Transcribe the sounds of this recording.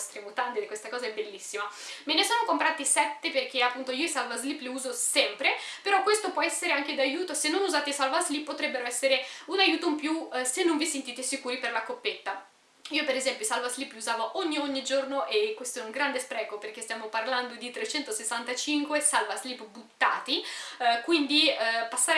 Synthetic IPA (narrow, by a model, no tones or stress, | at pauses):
st̪ɾemot̪ant̪id̪ikwest̪akɔːzaɛbːelːisːimamenesoːnokompɾaːt̪isɛt̪ːeperk̟eapːunt̪oiːoisalvazlipːleuːzosɛmpɾepeɾɔkwest̪opwɔɛsːeɾeaŋk̟ed̪ajuːt̪osenːonuzaːt̪eisalvazlipːot̪ɾɛbːeɾoɛsːeɾeunajuːt̪oimpjusenːoɱvisent̪iːt̪esikuːɾiperlakopːet̪ːa | iopeɾezɛmpjoisalvazlipːluzaːvoʔoɲːioɲːid͡ʒornoʔekːwest̪oɛuŋɡɾand̪espɾɛːkoperk̟est̪jaːmoparland̪od̪it̪ɾet͡ʃɛnt̪osesːant̪at͡ʃiŋkwesalvazlipːbut̪ːa̰ːt̪ikwind̪ipasːaːɾ